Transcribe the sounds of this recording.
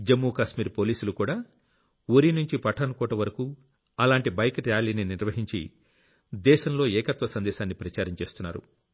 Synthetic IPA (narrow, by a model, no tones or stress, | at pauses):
d͡ʒemːukaːʃmiːɾpoːliːsulukuːɽaː | oɾinuɲt͡ʃipɐʈʰːɐnɐkɔːʈɐʋɐɾɐku | ɐlaːɳʈibɐjkɾaːliːniniɾʋɐɦiɲt͡ʃḭ | d̪ɛːʃɐmlo̞ːɛːkɐt̪ʋɐsɐnd̪ɛːʃaːnːipɾɐt͡ʃaːɾɐmt͡ʃe̞ːst̪unːaːɾṵ